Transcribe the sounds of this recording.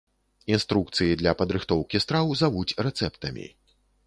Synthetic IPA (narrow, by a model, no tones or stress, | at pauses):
inst̪ɾuk̚t̪sɨjid̪lʲɐpɐd̪ɾɨxt̪ɔwkʲist̪ɾawzavut͡sʲɾɛt̪sɛpt̪ɐmʲḭ